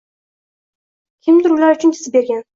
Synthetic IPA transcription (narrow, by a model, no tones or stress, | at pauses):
kʲʰɪmd̪ʊɾʊlaɾʊt͡ʃʰʊnt̪ʰɪ̥sɪbe̞ɾɡʲan